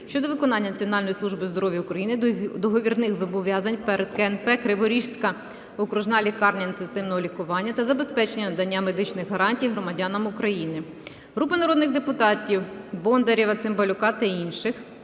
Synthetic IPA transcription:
ʃt͡ʃɔd̪ɔʋɪkɔnɑnʲːɐnɐt͡sʲiɔnɑlʲnɔjislˠuʒbɪzd̪ɔɾɔʋʲjɐʊkɾɐjinɪd̪ɔɦɔʋʲirnɪxzɔbɔʋʲjɑzɐnʲpeɾed̪kɛnpɛkɾɪʋɔɾʲiʃʲt̪kɐ | ɔkɾʊʒnɑlʲikɑrnʲɐint̪enst̪ɪwnɔɦɔlʲikʊʋɑnʲːɐt̪ɐzɐbe̞spɛt͡ʃenʲːɐnɐd̪ɐnʲːame̞d̪ɪt͡ʃnɪxɦɐɾɑnʲtʲijɦɾɔmɐdʲɑnɐmʊkɾɐjinɪ | ɦɾupɐnɐɾɔd̪nɪɣd̪epʊt̪ɑtʲiwbɔnd̪eɾʲiʋɐt̪sɪmbɐlʲʊkɑt̪ɐinʃɪx

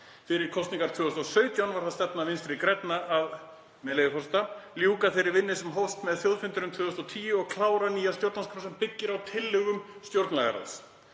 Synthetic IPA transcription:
fɪɾɪɾ̥kʰɔwst̪niŋkaɾ̥t̪ʰʏːɣʏst̪ɔwsœːɥt̪jawnvaɾ̥θaðsɛt̪navɪnst̪ɪɾɪkɾɛjt̪naʔað | mɛlejʏfɔst̪aljuːkaθeɾɪɾvɪnːɪsɛmɦɔfst̪mɛðθjowðfɪnt̪ʏɾʏmt̪ʰvʏːðʏst̪ɔwt̪ʰiːjʏɔɣkʰlaːwɾaniːjast̪jowɾt̪nanskʰʏɾnsɛmpɪcːɪɾawt̪ʰɪlːʏɣʏmst̪jowɾt̪nla̰ɣa̰ɾa̰ðs

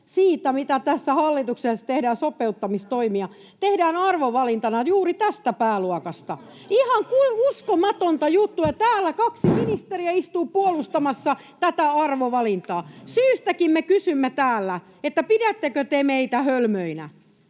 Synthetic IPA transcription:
siːt̪æmit̪æt̪æsːæhɑlːit̪uksesːɑ̥t̪ehdæːnsopeut̪ːɑmist̪oimiɑ | t̪ehdæːnɑrʋoʋɑlint̪ɑnɑjuːrit̪æst̪æpæːluɑkɑst̪ɑ̰ | ihɑŋkuiuskomɑt̪ont̪ɑjut̪ːuɑt̪æːlːækɑksiminist̪eriæist̪uːpuolust̪ɑmɑsːɑ | t̪æt̪æɑrʋoʋɑlint̪ɑːsyːst̪ækimmekysymːet̪æːlːæ | et̪ːæpidæt̪ːekøt̪emeit̪æhølmøinæ̰

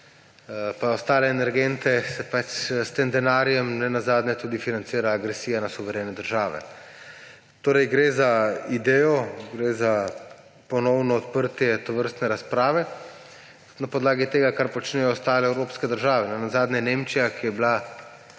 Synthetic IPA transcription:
paɔst̪aːlɛːnɛɾɡɛnt̪ɛsɛpat͡ʃst̪emd̪ɛnaːɾijɛmnɛnazaːd̪nɛt̪uːd̪ifinant̪siːɾaːɡɾɛsiːjanasuʋɛɾeːnɛd̪əɾʒaːʋɛ̰ | t̪oːɾɛjɡɾezaid̪ɛːjɔɡɾeza | pɔnɔwnɔːt̪pəɾt̪jɛt̪ɔʋəɾst̪nɛɾaspɾaːʋɛ | napɔd̪laːɡit̪eːɡakaɾpɔt͡ʃnɛjɔɔst̪aːlɛɛwɾoːpskɛd̪əɾʒaːʋɛnɛnazaːd̪nʲɛjɛneːmt͡ʃijakijɛbla

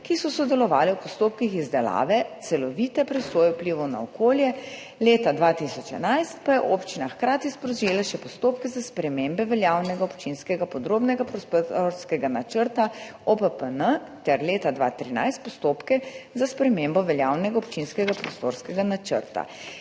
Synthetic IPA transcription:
kisɔsɔd̪ɛlɔʋaːlɛwpɔst̪oːp̚kixizd̪ɛla̰ːʋɛt̪sɛlɔʋiːt̪ɛpɾɛsoːjɛwpliːʋɔna̰ɔkoːljɛ | leːt̪ad̪ʋat̪isɔt͡ʃɛ̰najst̪pajɛʔoːpt͡ʃinaxkɾaːt̪ispɾɔʒeːlaʃɛpɔst̪oːpkɛzaspɾɛmembɛʋɛljaːwnɛɡaɔpt͡ʃinskɛɡapɔd̪ɾoːbnɛɡapɾɔst̪oɾskɛɡanat͡ʃəɾt̪aɔpəpənət̪ɛɾleːt̪ad̪ʋa̰t̪ɾina̰jst̪̚pɔst̪oːpkɛzaspɾɛmembɔʋɛljawnɛɡaɔpt͡ʃinskɛɡapɾɔst̪o̰ɾskɛɡanat͡ʃə̰ɾt̪a̰

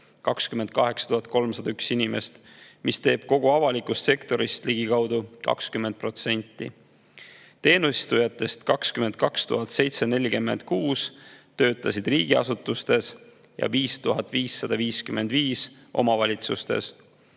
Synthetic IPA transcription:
kɑkskymend̪̚kɑɦe̞ksɑ̥t̪uhɑt̪̚ko̞lmsɑd̪ɑyksinimest̪ | mist̪e̞ːb̥ko̞ɡ̥oɑvɑlikust̪se̞kt̪o̞ɾist̪liɡ̥ikɑwd̪̥ukɑ̰kskymːend̪̚pro̞t̪se̞nʲt̪ːˑḭ | t̪e̞ːnusi̥st̪ujɑt̪ːˑe̞st̪kɑkskyme̞nd̪̥̚kɑkst̪ṵɦɑt̪se̞jt̪se̞ne̞lʲikymːe̞̰nd̪̥̚kuːst̪ø̞ːt̪ːˑɑsid̪riːɡ̥iɑ̰sut̪ːˑust̪e̞s | jɑ̰viːst̪uɦɑt̪ːˑviːsːɑd̪̥ɑviːskyme̞nd̪̥viːs | ʔo̞̰mɑvɑlʲit̪sust̪e̞̰s

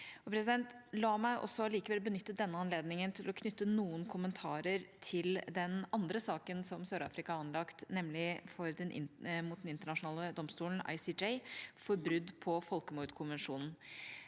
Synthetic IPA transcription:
ɔpʰɾɛsɪd̪ɛnt̪lɑːmæɪʔɔ̰sɔliːkəʋɛlbənʏt̪ːəd̪ɛnːəɑnleːd̪nɪŋənt̪ʰɪlɔkʰnʏt̪ːənuːənkʰʊmənt̪ʰɑːɾəɾt̪ʰɪld̪ɛnɑnd̪ɾəsɑːkənsɔmsøːɾɑ̰ːfɾɪkɑɑnlɑkt̪nɛmlɪfɔɾd̪ɛnʔɪ̰mut̪̚d̪nɪnt̪əɳɑʂʊnɑːləd̪ɔmst̪uːln̩ɑ̰ɪsiːd͡ʒɛɪfɔɾbɾʉd̪ːpʰɔfɔlkəmuɾd̪kʰʊnʋɛnʂuːnn̩

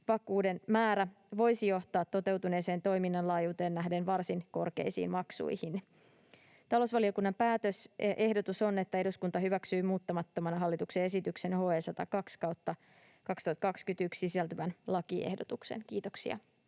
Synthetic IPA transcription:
ʋɑkˑuːde̞nmæːɾæ | ʋo̞jsijo̞ht̪ɑːt̪ːo̞t̪e̞wt̪une̞ːseːnt̪o̞jminːɑnlɑːjuːt̪e̞ːnnæhde̞nʋɑrsinko̞rkḛjsḭːnmɑksṵjhin | t̪ɑlosʋɑlio̞kunːɑmpæːt̪øsʔe̞ɦdo̞t̪uso̞ne̞t̪ːæe̞duskunt̪ɑɦyʋæksyːmuːt̪ːɑmɑt̪ːomɑnɑɦɑlːit̪ukse̞e̞sit̪ykse̞nho̞ːeːsɑt̪ɑ̰kɑkskɑwt̪ːɑ | kɑkst̪uɑt̪kɑkskyt̪ykssisælt̪yʋænlɑkiḛhdot̪uksḛnkiːt̪o̞ksiɑ̰

